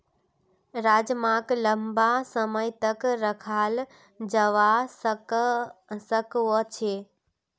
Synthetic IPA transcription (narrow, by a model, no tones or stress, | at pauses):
ɾaːd͡ʑmãːkləmbasəməjt̪əkɾəkʰaːl | d͡ʑəʋas | səkʋot͡ɕʰeː